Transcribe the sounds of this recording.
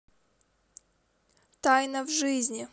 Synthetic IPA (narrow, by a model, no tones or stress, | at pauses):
t̪ajnəvʐɨzʲnʲɪ